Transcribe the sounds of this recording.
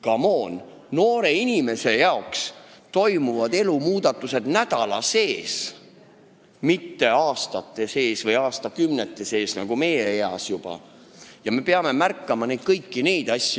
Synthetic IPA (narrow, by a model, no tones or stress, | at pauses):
kɑmo̞ːn | no̞ːɾe̞inʲime̞se̞jɑokst̪o̞jmuvɑd̪e̞lumuːd̪̥ɑt̪ːˑuse̞d̪̥næd̪̥ɑlɑ̰se̞ːs | mit̪ːe̞ɑːst̪ɑt̪ːˑe̞se̞ːsvɤjɑːst̪ɑkymnet̪ːˑe̞se̞ːsnɑ̰ɡ̥ume̞jeeɑ̰sjub̥ɑ̰ | jɑme̞pe̞ɑme̞mærkːɑmɑne̞jd̪̥̚kɤjkːine̞jd̪̥ɑsʲːj